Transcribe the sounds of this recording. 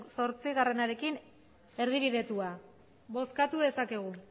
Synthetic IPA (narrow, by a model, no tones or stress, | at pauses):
so̞ɾt͡siɣare̞naɾe̞kin | e̞ɾðiβ̞iðe̞t̪ua | βo̞skat̪uðe̞sake̞ɣ̞u